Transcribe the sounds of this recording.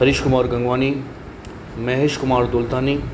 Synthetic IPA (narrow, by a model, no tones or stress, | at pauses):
ɐɾɪʃkʊmaːɾɡɐ̃ŋɡʋaːni | mɛːɦeʃkʊmaːɾd̪oːlt̪aːniː